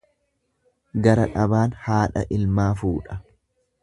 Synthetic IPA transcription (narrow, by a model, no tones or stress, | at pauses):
ɡɐɾɐᶑɐbaːnhaːᶑɐ̰ʔɪlmaːfuːᶑɐ̥